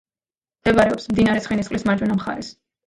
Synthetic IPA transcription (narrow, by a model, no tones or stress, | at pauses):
md̪̥ɛvaɾɛɔpsmd̪inaɾɛsʰχɛnisχʼlismaɾd͡ʒwɛnamχa̰ɾɛs